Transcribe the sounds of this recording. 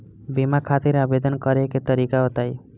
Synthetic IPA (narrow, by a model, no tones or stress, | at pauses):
bimakʰat̪iɾabed̪ɔnkʌɾeket̪əɾikaot̪aj